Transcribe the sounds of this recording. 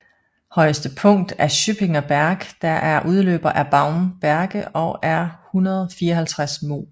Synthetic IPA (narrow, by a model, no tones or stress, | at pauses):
hɒ̽ɪəsd̥əpʰɔ̽ŋ̰d̥æɐɕyb̥e̝ŋɐb̥æɐɡ̥d̥ɑʔæɐʔuð̞ˠlø̰ːb̥ɐʔæɐb̥ɑ̈ʊmb̥æɐɡ̥əɒ̽æɐhunɐðˠfiːɐɒɦælt͡sʰʁasmo̝̰ː